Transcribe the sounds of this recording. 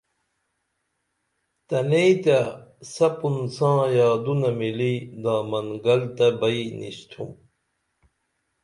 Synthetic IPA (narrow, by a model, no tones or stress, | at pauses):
t̪ɐneit̪asɐpunsãːjaːd̪unɐmilid̪aːmɐŋɡɐlt̪ɐbɐinʔḭɕt̪ʰṵm